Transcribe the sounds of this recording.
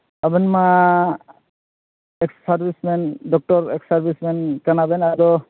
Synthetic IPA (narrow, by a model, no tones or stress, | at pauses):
abɯnma | ɛksaɹbismɛndɔk̚tɔɹɛksaɹbismɛnkanabɛnadɔ